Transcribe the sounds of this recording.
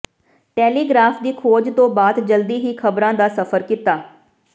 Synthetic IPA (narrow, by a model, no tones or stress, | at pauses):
ʈɛːliːɡɾaːfd̪iːkʰoːd͡ʒt̪õːbaːd̪d͡ʒəld̪iːɦiːkʰəbɾãːd̪aːsəpʰəɾkit̪aː